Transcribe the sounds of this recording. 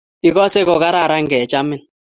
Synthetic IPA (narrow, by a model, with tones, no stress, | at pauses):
i˨kɔ˦se˦kɔ˨ka˦ɾa˦˨ɾa˦ŋ̩˦ɡɛ˨t͡ʃa˦mɪ˦n